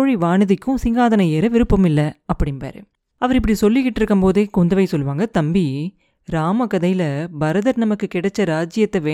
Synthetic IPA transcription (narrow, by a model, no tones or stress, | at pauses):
oɻiʋaːɳɯðɪkːɯ̃sɪŋɡaːðɐnɐeːɾɐʋɪɾɯpːɐmɪlːɐɐpːɐɽɪnpa̰ːɾɯ̰ | ɐʋɐɾɪp̬ːɐɽisɔlːɪkːɪʈːɪɾɯkːɯmpoːðeːkɔnd̪ɐʋɐɪsɔlːʋaːŋɡɐt̪ɐmbi | ɾaːmɐkɐðɐjlɐbɐɾɐðɐɾnɐmɐkːɯkɪɽɛt͡ʃːɐɾaːd͡ʒɪjɐt̪ːɐʋeː